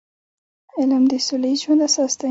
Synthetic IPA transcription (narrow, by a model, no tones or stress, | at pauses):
ɪlmd̪əsulaiʒwand̪asɑst̪a